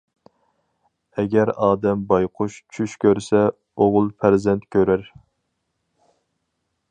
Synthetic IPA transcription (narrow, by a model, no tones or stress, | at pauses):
ɛɡʲɛɾɑːd̪ɛmbɑjqʰʊʃt͡ʃʰyʃkʲøɾsɛ | oʁʊlˠfæɾzɛnt̪kʲʰøɾæɾ